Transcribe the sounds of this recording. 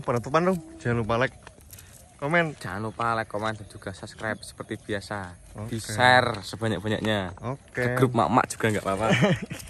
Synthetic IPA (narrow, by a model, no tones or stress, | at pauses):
pəɾat̪upanɾu̥d͡ʒ̥alupalɛkː | omɛnd͡ʒ̥anupalɛkːomɛnd̪ad̪̥uɡ̥asaskɾap̚sə̥pərt̪ib̥i̤asad̪̥isɛrsəb̥aɲak̚b̥a̤ɲa̰kɲaokəɡɾup̚ma̰ma̰ʔdʒ̥u̥ɡ̥a̤ŋɡaʔpapa